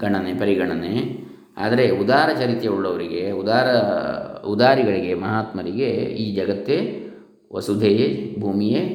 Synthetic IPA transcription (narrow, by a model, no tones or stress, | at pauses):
ɡɐɳɐnepɐɾiɡɐɳɐne | a̰ːd̪ɐɾe̞ud̪aːɾɐt͡ʃɐɾit̪jɐuɭːɐʋɐɾiɡeud̪aːɾɐ | ud̪aːɾiɡɐɭiɡe̞mɐɦaːt̪mɐɾiɡeiːd͡ʒɐɡɐt̪ːe | ʋɐ̰sud̪ʱejebʱuːmije